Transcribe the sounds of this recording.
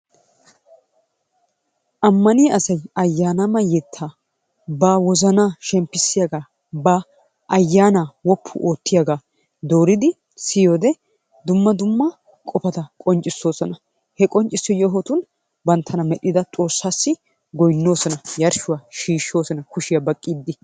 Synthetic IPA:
ʔɐmːɐnɪjʔɐsɐjɐjːaːnɐmɐjɛt̪ʰːaː | baːwɔzɐnaːʃɛmpːɪsːɪjaɡaː | bɐ | ʔɐjːaːnaːwɔpʰːʊ̰ʔoːt̪ːɪjɐɡaː | d̪oːɾɪd̪ɪ | sɪjoːd̪ɛ | d̪ʊmːɐd̪ʊmːɐ | kʼɔpɐt̪ɐkʼɔnt͡ʃʼːɪsːo̞ːsɔnɐ | hɛkʼɔnt͡ʃʼːɪsːɪjɔɦɔt̪ʊn | bɐnt̪ʰɐnɐmɛɗːɪd̪ɐt͡sʼo̞ːsːaːsːɪ | ɡɔjnːo̞ːsɔnɐjɐɾʃʊwaːʃiːʃːo̞ːsɔnɐkʊʃɪjɐbɐkʼːiːd̪ːɪ

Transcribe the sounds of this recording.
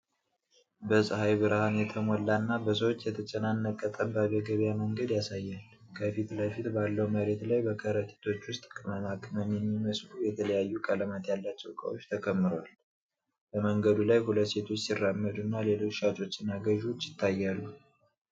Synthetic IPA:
bəsʼɨhajβɨɾahanjɛt̪ʰəmolːanːabəs̬əwot͡ʃːjɛt̪ʰət͡ʃʼɛnanːəkʼːət̪ʼəmbaβɛɡəβjaməŋɡəd̪jasajːal | kʰəfit̪ləfit̪balːəwuməɾe̞t̪lajbəkʰəɾət̪ʼi̥t̪ʰo̞t͡ʃːwʊst̪ʼkʼɨməmakʼməmːjɛmːiməslujɛt̪ʰələjajːukʼələmat̪jalːat͡ʃːɛwkʼə̰wo̞t͡ʃːt̪ʰəkʰəmːɨɾoal | b̥əməŋɡəd̪ulajhulət̪se̞t̪ʰo̞t͡ʃːsirːamːəd̪ɨnːale̞lo̞t͡ʃːʃat͡ʃʼo̞t͡ʃːsɪnaɡəʒut͡ʃːjɪt̪ʰːajːalːu

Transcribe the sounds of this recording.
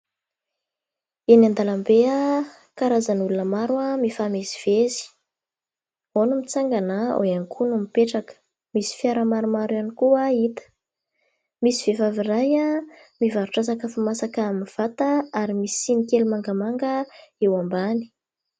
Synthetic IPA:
enand̪alambea | kaɾazanulunəmaɾuamifamezi̥v̥ezi̥ | onumit͡saŋɡanao̰anikʰunumipeʈ͡ʂakə̥ | misi̥fiaɾamaɾumaɾuanikuait̪ə̥ | misiv̥evaviɾaja | mivaɾuʈ͡ʂasakəfumasakaaminv̥at̪aaɾimisi̥inikelumaŋɡamaŋɡəewambani̥

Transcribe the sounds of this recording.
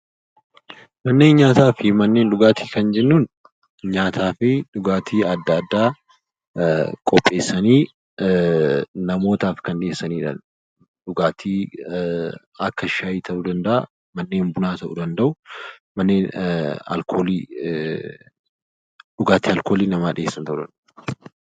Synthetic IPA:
mɐnːe̞ːnɲaːt̪aːfɪmɐnːeːnᶑʊɡaːt̪ʰiːkɐnd͡ʒɛnːuːn | ɲaːt̪ʰaːfɪᶑʊɡaːt̪ʰiːɐd̪ːɐːd̪ːaː | kʼɔpʼːe̞ːsːɐniː | nɐmo̞ːt̪aːfkɐnᶑɪeːsːɐniːᶑɐ̰ | ᶑʊɡaːt̪ʰiː | ɐkːɐɪʃaːjiːt̪ʰɐʔud̪ɐnd̪ɐʔɐ̰ | mɐnːeːmbʊnaːt̪ɐʔʊd̪ɐnd̪ɐʔʊmɐnːeːnɐ̰lkʰoːli | ᶑʊɡaːt̪iːɐlko̞ːliːnɐmaːᶑɪ̰jeːsːɐnt̪ɐʔʊd̪ɐ̰nd̪ɐʔ

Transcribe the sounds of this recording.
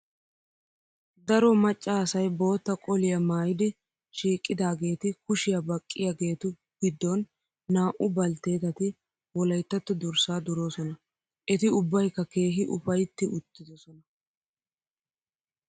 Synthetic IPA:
d̪ɐɾɔmɐt͡ʃʼːaːsɐjbo̞ːt̪ːɐkʼɔlɪjɐmaːjɪd̪ɪ | ʃiːkʼːɪd̪aːɡe̞ːt̪ɪkʊʃɪjabɐkʼːɪjaɡe̞ːt̪ʊ | ɡ̥ɪd̪ːɔnː | aːʔʊbɐlt̪e̞ːt̪ɐt̪ɪ | wɔlɐjt̪ːɐt̪ːʊd̪ʊɾsaːd̪ʊɾo̞ːsɔnɐ | ʔɛt̪ɪʊbːɐjkːɐke̞ːɦɪʔʊ̰fɐjt̪ːɪʔʊt̪ːɪd̪ɔsɔnɐ

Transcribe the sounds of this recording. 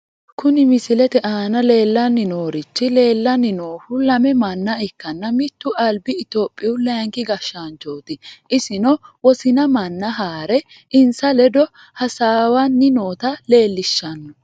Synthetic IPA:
kʊnɪmɪsɪlɛt̪ɛʔaːnɐle̞ːlːɐnːɪnoːɾɪt͡ʃːɪle̞ːlːɐnːɪnoːfʊlɐmɛmɐnːɐɪkːɐnːɐmɪt̪ːʊʔɐlbɪɪt̪oːpʼːɪʊlɐŋkɪɡɐʃːand͡ʒoːt̪ɪʔɪsɪnɔwɔsɪnɐmɐnːɐɦaːɾɛ | ʔɪnsɐlɛd̪ɔ | hɐsaːwɐnːɪnoːt̪ɐle̞ːlːɪʃːɐnːɔ

